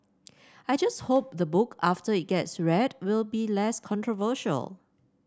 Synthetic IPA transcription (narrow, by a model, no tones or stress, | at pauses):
ajd͡ʒast̚hop̚ðəbʊkʰaftəɪt̚ɡ̥ɛtsɹɛdwɪlˠbilɛskʰɔ̃ntɹɔvəʃə̰lˠ